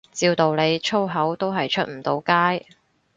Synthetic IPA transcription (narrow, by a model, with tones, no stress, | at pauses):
t͡siː˧wt̪o˨wle˨˧jt͡ʃʰo˥wɦɐ˨˥wt̪o˥wɦɐ˨jt͡ʃʰɵ˥t̚m̩˨˩t̪o˨˧wkaː˥j